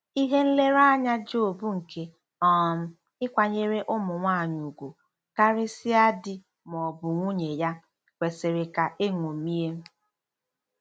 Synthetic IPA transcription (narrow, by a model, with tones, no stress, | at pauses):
i˦ɦe˦n̩˦le˦ɾa˦ɲa˦d͡ʒo˨bu˦ŋ̩˨kʰe˦ | ɔ˨m̩˦ | ɪ˦kʷa˨ɲe˦ɾe˦ʔʊ˦mʊ˨ŋʷa˦˨ɲu˨ɡʷu˨ | ka˦ɾɪ˦sɪ˦a˦dɪ˦ | mɔ˨bʊ˨ŋʷu˦ɲe˨ja˦ | kʷe˨se˨ɾe˨ka˨ʔe˦ŋʷo˨mi˦e˦